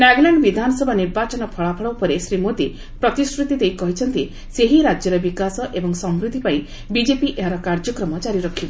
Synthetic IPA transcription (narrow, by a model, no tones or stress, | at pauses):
naɡlaɳɖbid̪ʱanɔsɔbʱaniɾbat͡ʃɔnɔpʰɔɭapʰɔɭɔwpɔɾesɾimod̪i | pɾɔt̪iskɾut̪it̪ejkɔɦit͡ʃʰɔnt̪i | seɦiɾad͡ʒjɔɾɔbikasɔʔebɔŋsɔmɾud̪ʱipai | bid͡ʒepiʔeɦaɾɔkaɾd͡ʒɔkɾɔmɔd͡ʒaɾiɾɔkʰibɔ